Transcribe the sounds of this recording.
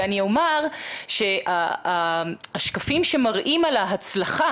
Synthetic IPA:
aniomaʁʃe̞ʔa | aʃkafimʃe̞maʁʔimalaɦat͡slaχa

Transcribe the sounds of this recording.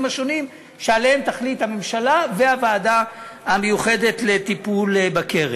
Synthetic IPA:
maʃo̞nim | ʃealehemt̪aχlithame̞mʃalavehavaːdaamejuχe̞de̞tle̞tipulbakeʁe

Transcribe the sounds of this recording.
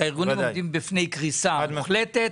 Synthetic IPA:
aiʁɡunmod̪imbifne̞jkʁisaχlet̪et̪

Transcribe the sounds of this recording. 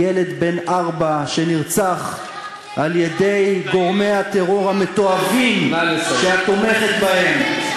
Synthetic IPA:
ele̞d̪be̞naʁbaʃeniʁt͡saχ | aljed̪e̞jɡo̞ʁme̞jat̪eʁo̞ʁame̞t̪o̞avimʃeat̪o̞me̞χet̪bahe̞m

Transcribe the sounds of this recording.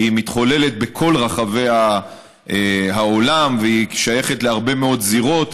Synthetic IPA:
imit̪χo̞le̞let̪̚be̞kʰo̞lʁaχave̞ja | eɦao̞lamveiʃaje̞χet̪leaʁbe̞me̞o̞t̪ziʁo̞t

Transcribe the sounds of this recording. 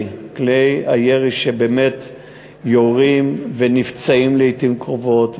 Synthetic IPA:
kleja̰jeʁiʃebeːmet | joʁimvenift͡saimleitimkʁovo̞t

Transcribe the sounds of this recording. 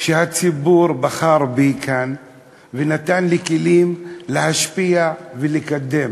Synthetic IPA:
ʃehat͡sibuɾbaχaɾbikʰan | venat̪anlekelimlehaʃpijavelikad̪ːem

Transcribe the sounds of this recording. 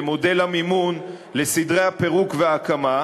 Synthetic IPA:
mode̞lamimun | lesidʁejhape̞ʁukveaːkama

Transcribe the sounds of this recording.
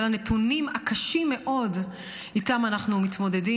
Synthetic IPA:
lanetunimakaʃimːe̞ʔo̞d | itamanaχnumit̪mo̞de̞di

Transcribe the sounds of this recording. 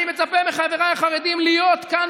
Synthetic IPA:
imet͡sapemeχaveʁajaχaʁed̪imlijo̞t̪kan

